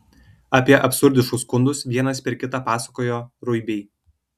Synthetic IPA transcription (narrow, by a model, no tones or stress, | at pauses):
ɑːpʲiɛʔɐpʲsʊɾʲd̪ʲɪʃkʊsːkʊnd̪ʊsʋʲiɛnɐspʲɛɾkʲɪt̪ɑːpɑːsɐkoːjoːɾʊɪbʲɛɪ